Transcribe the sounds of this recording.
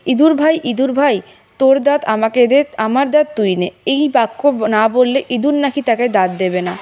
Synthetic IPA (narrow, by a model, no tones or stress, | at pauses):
id̪uɾbʱajʔid̪uɾbʱaj | t̪oɾd̪at̪amakeeamaɾd̪at̪t̪ujneejbakːonabolːeʔid̪uɾnakʰit̪aked̪at̪̚d̪ebena